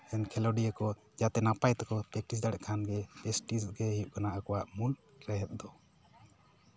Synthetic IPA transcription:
ɛnkʰɛlɔɖiakɔ | d͡ʒat̪ɛnapajt̪ɛkɔpɛk̚ʈis̬d̪aɽɛʔkʰanɡɛpɛsʈisɡɛɦijuʔkanaʔakɔwaʔmul | ɾɛɦɛt̪̚ˀd̪ɔ

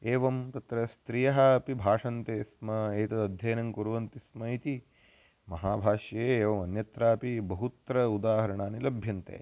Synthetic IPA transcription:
eːʋɐmt̪ɐt̪ɾɐst̪ɾijɐɦɐɐpibʱaːʂɐnt̪eːsmɐeːt̪ɐd̪ɐd̪ʱjɐjɐnɐŋkuɾʋɐnt̪ismɐit̪i | mɐɦaːbʱaːʃjɐjeːʋɐmɐnjɐt̪ɾaːpibɐɦut̪ɾɐud̪aːɦɐɾɐɳaːnilɐbʱjɐnt̪ḛː

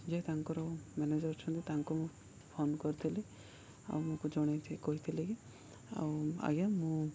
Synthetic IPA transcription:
d͡ʒet̪aŋkɔɾɔmɛned͡ʒəɾt͡ʃʰɔ̃nt̪et̪aŋkumũ | pʰonkɔɾt̪ʰili | a̰wmũkud͡ʒɔɽ̃et̪ʰikɔɦit̪ʰiliɡi | a̰wa̰ɡjamũ

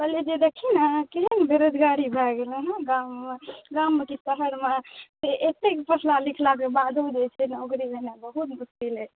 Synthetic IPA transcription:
pəled͡ʒed̪ekʰinkeɦənbeɾod͡ʒ̪ʱɡaɾibʱɛɡelɛɦɡamːeɡamːekisəɦəɾmeseʔet̪ekpəsʰlalikʰlak̬ebad̪ʱod͡ʒet͡ʃʰɛnokɾibʱenabəɦut̪muskile

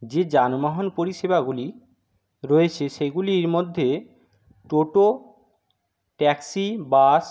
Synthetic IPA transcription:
d͡ʑed͡ʑanmaɦonpoɾiʃebaɡuli | ɾoet͡ɕʰeʃeɡuliɾmod̪ʱːe | ʈoʈo | ʈɛksibas

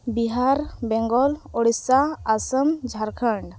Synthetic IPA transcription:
biɦaɾbɛŋɡɔlɔɽisaːsəmd͡ʒʱaɾkʰəɳɖ

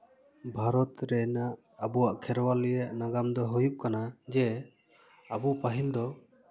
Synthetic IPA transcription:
bʱaɾɔt̪ɾɛnaʔ | abɔwaʔkʰɛɾɔwalɛjaʔnaɡamd̪ɔɦujup̚kanad͡ʒɛ | abupaɦild̪ɔ

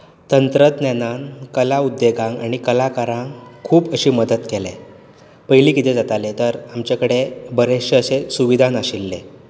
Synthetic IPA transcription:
t̪ənt̪ɾət̪nanankəlaud̪ːeɡãŋɡaɽ̃ikəlakaɾãŋkʰuːpəɕiːməd̪ət̪kelḛ | pəjliːkit̪ʰed͡zat̪alet̪əɾamt͡ɕakəɽebəɾeɕəəsesuʋid̪ʱanaɕilːe

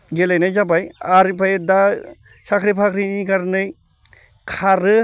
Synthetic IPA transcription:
ɡelajnajzabajaɾipʰajd̪a | sakʰɾipʰakʰɾinikaɾnɯj | kʰaɾɯ

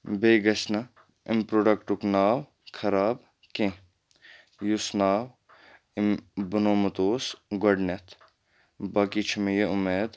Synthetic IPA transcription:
beːɡɐʃnɐ | ɪmpɾoːɖɐkʈʊknaːw | kʰɐɾaːb | kẽ | jusnaːw | ɪmbʊnoːmɐt̪oːsɡɐɖnet̪ʰ | baːkit͡ʃʰmejeʊmeːd̪

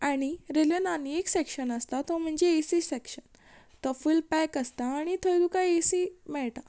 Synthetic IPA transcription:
aɽ̃iɾeljənanieksekɕənəst̪at̪ɔm̤əɳd͡ʑeːsisekɕən | t̪əfuːlpɛkəst̪aːɽ̃it̪ʰəjd̪ukaesimɛɭʈa

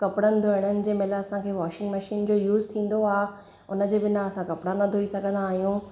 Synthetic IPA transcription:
kɐpɽənɪ̆d̪ʱoɪɽ̃ənɪ̆d͡ʑeːmɪlaɐsãkʰeːʋaːʃɪ̃ŋɡmɐʃiːnd͡ʑoːjuːzt̪ʰĩːn̆d̪oaː | ʊnə̆d͡ʑeːbɪnaɐsãkɐpɽanɐd̪ʱoisɐɡʱə̃nd̪aːɦijũ

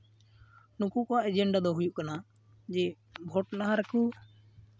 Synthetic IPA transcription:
nukukɔaʔɛd͡ʒɛɳɖad̪ɔɦujuʔkana | d͡ʒɛ | bʱɔʈnaɦaɾɛku

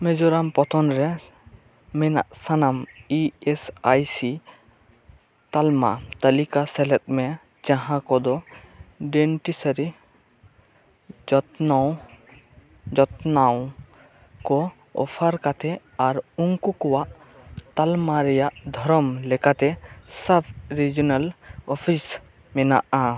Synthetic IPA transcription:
mɛd͡ʒɔɾampɔt̪ʰɔnɾɛ | mɛna̰ʔsanamiesajsi | t̪alma̰t̪əlikasɛlɛt̪̚mɛ | d͡ʒãɦãkɔd̪ɔ | ɖɛɳʈisəɾi | d͡ʒɔt̪n | d͡ʒɔt̪naw | kɔ | ɔ̰pʰaɾkat̪ʰɛ | aɾuŋkukɔwaʔ | t̪almaɾɛjaʔd̪ʱɔɾɔmlɛkat̪ɛsabʰɾid͡ʒɔnalɔpʰis | mɛna̰ʔa

